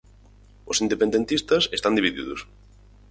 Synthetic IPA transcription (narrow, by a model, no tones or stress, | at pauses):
ʊsind̪epend̪ent̪ist̪ɐsest̪and̪iβiðḭðʊs